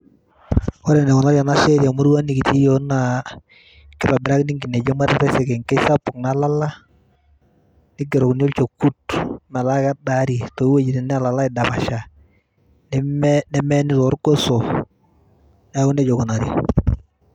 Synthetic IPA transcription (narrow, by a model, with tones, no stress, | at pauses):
ɔ˦ɾɛ˨nɛ˨kʊ˨na˦ɾja˨na˦ʃɛ˦ɾja˨mu˦ɾwa˦nɪ˨ki˨ti˦jo˦na˨ | kɪ˦pa˨bɪ˨ɾa˦knɪ˦ŋɡi˨ne˨d͡ʒe˦ma˦ɾɛ˦˨tɛ˦sɛ˨kɛ˨ŋkɛ˦sa˦pʊ˨kna˨˦la˦la˦ | nɪ˦ɡ̬e˨ɾo˨kn˦o˦lt͡ʃo˨ku˦tma˨la˦ka˦da˦ɾi˨to˨˦we˦d͡ʒi˨tɪ˨nɛ˦a˨la˨la˦ɪ˨da˨ba˨ʃa˨ | n˦nɛ˦mɛ˦nɪ˦tɔ˦ɾɡo˦so˨ | na˦ʊ˦ne˦d͡ʒo˨ko˨na˨ɾja˨